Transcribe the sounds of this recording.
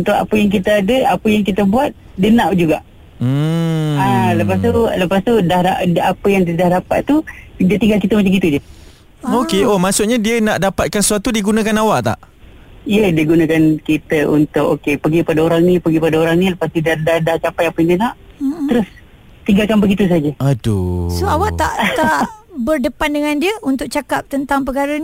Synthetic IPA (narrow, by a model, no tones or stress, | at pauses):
unt̪ʊka̰pəjaŋk̬it̪əadəapəjaŋkit̪əbuat̪̚ | dənaʔd͡ʒuɡa̰ʔ | m̩ | aləpas̬t̪uləpast̪udahdaʔapəjaŋddahdapa̰t̪t̪udat̪iŋɡalkit̪əmat͡ʃamkit̪ud͡ʒə | okeomasʊʔɲadiənaʔdapat̪̚kansəsuat̪udiɡunãkanawaʔt̪a̰ʔ | ijədiəɡunəkankit̪əunt̪ʊkokepəɡipadaoɾaŋnĩpəɡipadaoɾaŋniləpast̪idadadaht͡ʃapajapəndiənaʔt̪əɾʊs | t̪iŋɡalkanbəɡit̪us̬ad͡ʒəado̰ssoawaʔt̪a̰ʔt̪aʔbərdəpandəŋandiəunt̪ʊk̚t͡ʃakap̚t̪ənt̪aŋp̬əkaɾəni